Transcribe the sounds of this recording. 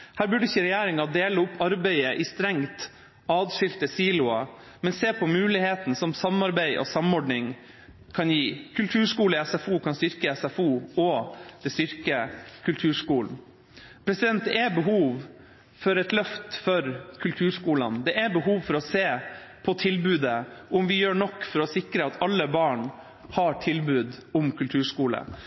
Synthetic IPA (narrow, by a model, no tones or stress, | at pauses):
hæːɾbʉɖəɪçːəɾɛjæːɾɪŋɑd̪eːləʊpʰːɑɾbæɪəʔɪst̪ɾɛŋt̪ | ɑːd̪ʂɪlt̪əsiːlʊɑ | mɛnseːpʰɔmʉːlɪheːt̪n̩sɔmsɑmɑɾbæɪʔɔ̰sɑmɔɖnɪŋ | kʰɑnjiːkʰʉlt̪ʰʉːʂkuːləɛsɛfuːkʰɑnst̪ʏɾkəɛsæfuːɔd̪̥ɛst̪ʏɾkəkʰʉlt̪ʰʉːʂkuːln̩ | pʰɾɛsɪd̪ɛnt̪̚d̪ɛɛbəɦuːʋ | fɔɾɛt̪lœft̪fɔɾkʰʉlt̪ʰʉːʂkuːlɑ̰nd̪ɛʔæbəɦuːʋfɔɾɔseːpʰɔt̪ʰɪlbʉːd̪əʊmʋɪjøːɳɔkːfɔɾɔsɪkɾəɑt̪ʰɑlːəbɑːɳ | hɑʈʰɪlbʉːd̪ʊmkʰʉlt̪ʰʉːʂkuːlə̰